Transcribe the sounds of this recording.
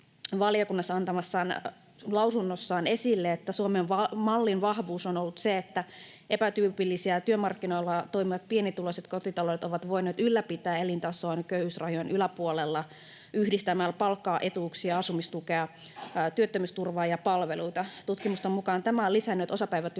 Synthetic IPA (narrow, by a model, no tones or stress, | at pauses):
ʋɑliokunːɑsːɑnt̪ɑmɑsːɑːn | lɑusunːosːɑːnesilːeet̪ːæsuomenʋɑmɑlːinʋɑhʋuːsonolːut̪seet̪ːæ | ʔepæt̪yːpilːisiæt̪yømɑrkːinoilːɑt̪oimiʋɑt̪̚pienit̪ːuloiset̪kot̪it̪ɑloet̪oʋɑt̪ʋoineːt̪ylːæpit̪æːelint̪ɑsoɑnkøyhysrɑjojenʔylæpuolelːɑ | yhdist̪æmæːlpɑlkːɑːʔet̪uˑksiɑɑsumist̪ukeɑ | t̪yøt̪ːømyst̪urʋɑːjɑpɑlʋeluit̪ɑt̪ut̪kimust̪ɑmukɑːnt̪æmæolisænːøt̪osɑpæiʋæt̪